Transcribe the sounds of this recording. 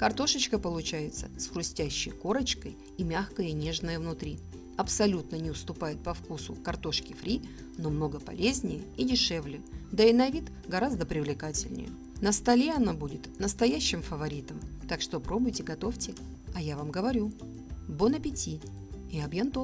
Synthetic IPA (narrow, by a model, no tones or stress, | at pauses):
kɐrt̪o̞ʂət͡ɕkəpəlˠʊt͡ɕæjɪt̪sə̰sxɾʊsʲtʲæɕːɪ̰jko̞ɾət͡ɕkəj | imʲaxkəjənʲe̞ʐnəjəvnʊt̪ɾʲi | ɐpsɐlʲut̪nənʲɪʊst̪ʊpajɪt̪̚pɐfkusʊ̰kɐrt̪o̞ʂkʲɪfɾʲi | no̞mno̞ɡəpɐ̰lʲezʲnʲɪjəidʲɪʂɛvlʲɪd̪əɪnɐvʲit̪ | ɡɐɾazd̪əpɾʲɪvlʲɪkatʲɪlʲnʲɪ̰jə̰ | nəst̪ɐlʲeɐnabudʲɪt̪nəst̪ɐjæɕːɪmfəvɐɾʲit̪əmt̪akʂt̪opɾo̞bʊjtʲɪɡɐt̪o̞ftʲɪ | ɐjavamɡəvɐɾʲu | bonəpʲɪtʲi | ɪɐbjent̪o